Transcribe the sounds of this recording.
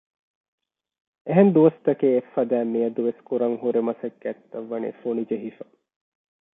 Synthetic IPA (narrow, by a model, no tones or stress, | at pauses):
eɦend̪uʋɐst̪ɐkeːefːɐd̪æːmijɐd̪uʋeskuɾɐŋɦuɾemɐsɐkɡæt̪ːɐʋːɐnḭfonid͡ʒeɦifɐ